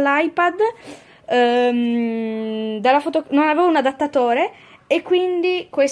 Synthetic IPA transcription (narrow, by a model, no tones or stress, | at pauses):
lajpad̪ | m | d̪alːafot̪ononaveːvounad̪at̪ːat̪oːɾe | ekːwind̪ikwes